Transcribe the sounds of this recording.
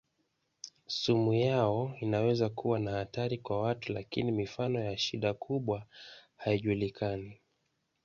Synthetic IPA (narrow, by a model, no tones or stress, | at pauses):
sumujaɔinawɛzakuwanahataɾikwawatulakinimifanɔjaʃiɗakʰuɓwahaiʄulikʰani